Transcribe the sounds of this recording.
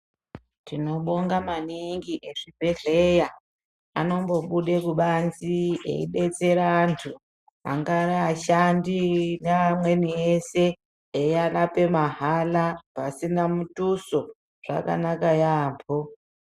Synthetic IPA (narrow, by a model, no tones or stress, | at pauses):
tino̞ɓoŋɡamaniŋɡiʔeʐibʱeɮeja | ano̞mbo̞ɓuɗekuɓanziḛḭɗet͡seɾaːntʰu | a̰ŋɡaɾaaʃandinaːmwenieseː | jalape̞maɦalapasinamutuso | ʐ̥a̰ka̰nakajaːmpʰo